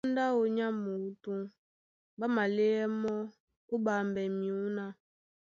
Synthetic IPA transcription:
n˦da˦o˨ɲa˦mu˨˦tu˦ | ba˦ma˨le˦ɛ˦mɔ˦ | u˦ba˨mbɛ˨mĩ˨u˦na˦

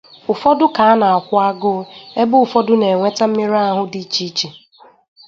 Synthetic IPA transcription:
ʊ˨fɔ˦dʊ˦ka˨a˦na˨a˨kʷʊ˦a˦ɡʊ˦e˦bʊ˦ʊ˨fɔ˦dʊ˦ne˨ŋʷe˦ta˦m̩˦mi˦ɾa˦a˦ɦʊ˦di˦t͡ʃi˦t͡ʃi˨

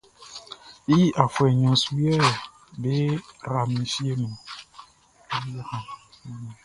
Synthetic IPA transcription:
i˦ʔa˨fwɛ˨ɲɔ̃˨su˦ɛ˦˨ | be˦ɾa˨mĩ˨fi˦e˦nũ˨˦ | wo˦hã˨˦˨

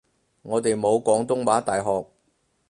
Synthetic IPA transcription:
ŋɔː˨˧t̪e˨jmo˨˧wkʷɔː˨˧˥ŋt̪ʊ˥ŋwaː˨˥t̪aː˨jɦɔː˨k̚

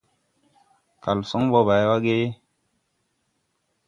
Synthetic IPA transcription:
ka˨lsɔ˦ŋbɔ˦ba˨jwa˦ɡe˦

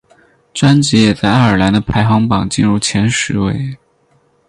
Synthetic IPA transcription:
ʈ͡ʂwa˥nt͡ɕɛ˧˥jɛ˨˩t͡sa˥˧ɪa˥˩ə˞˨˩la˧˥nd̪ə˧pʰa˧˥ɪxɑ˧˥ŋpɑ˨˩ŋt͡ɕi˥˧nɻu˥˩t͡ɕʰjɛ˧˥nʂɻ̩˧˥we˧˥ɪ

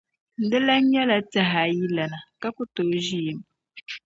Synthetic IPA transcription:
n̩˨dɪ˦la˦ɲɛ˦la˨ta˦ɦa˨ji˦la˨na˨ka˦ku˦to˨˦ʒi˦i˨m

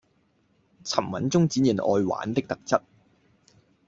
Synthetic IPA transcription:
t͡sʰɐ˨˩mwɐ̰˨˥nt͡sʊ˥ŋt͡siː˨˥njiː˨˩nʔɔ̰ː˧jwa̰ː˨˥nt̪ɪ˥k̚t̪ɐ˨k̚t͡sɐ˥t̚

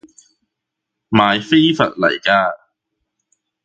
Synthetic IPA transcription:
maː˨˩jfe˥jfɐ̰˨t̚lɐ̰˨˩jkaː˧

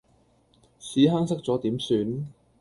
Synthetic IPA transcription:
siː˨˥ɦaː˥ŋsɐ˥k̚t͡sɔː˨˥t̪iː˨˥msyː˨˧n

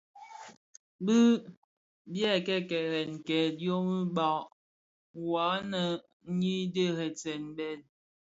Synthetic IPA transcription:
bə˦ | bjɛ˦˨kɛ˦˨kɛ˨ɾɛ˨nkɛ˨djo˦mi˦ba˨ | wa˨˦nə˨˦ | ɲi˦də˦˨hɛ˨t͡sɛ˨nbɛ˨t̚

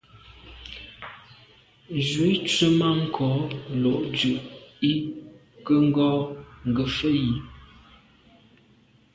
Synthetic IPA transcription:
zi˨˦t͡ʃə˦ma˦ŋ̩˨kʰɔː˨˦lo˨ʔt͡ʃʉ˨ʔi˦ | kə˦ŋ̩˦ɡɔː˦ŋ̩˨ɡə˨fə˦ji˨

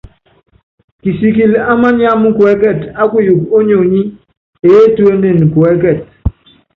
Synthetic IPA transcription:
ki˨si˨k̬i˨la˦ma˦ɲja˦mu˦kwɛ˨˦kɛ˦˨ta˦ku˦ju˨ko˦ɲo˨ɲi˦ | e˨e˦twe˦ne˦˨n˨kwɛ˨˦kɛ˨t̚

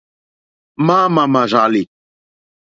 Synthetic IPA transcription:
maː˦ma˨ma˨ʐa˨li˨

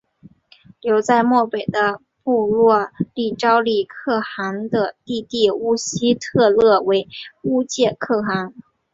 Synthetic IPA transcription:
ljo˧˥ʊt͡sa˥˧ɪmwɔ˥˩pe˨˩ɪd̪ə˦ | pu˥˧lwɔ˥˧li˥˩ʈ͡ʂɑ˥ʊli˥˩kʰɤ˥˩xa˧˥ŋd̪ə˧t̪i˥˧t̪i˥˩u˥ɕi˥t̪ʰɤ˥˧lɤ˥˩we˧˥ɪu˥t͡ɕjɛ˥˧kʰɤ˥˩xa˧˥ŋ

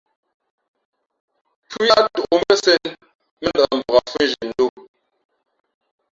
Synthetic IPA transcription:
pʰu˦ja˦tu˨o˨m˦ɛ˦sɛ˦n | mə˦n˦dm̩bə˨ɣa˨fu˦n̩˦ʒi˨n̩˨˦do˦˨

